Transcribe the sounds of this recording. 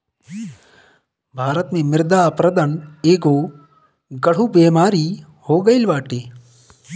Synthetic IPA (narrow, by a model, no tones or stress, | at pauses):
bʱaːɾət̪mẽmɪɾd̪aːpɾəd̪əneːɡoː | ɡɐɽ̤ubeːmaːɾi | hoːɡəɪlʋaːʈeː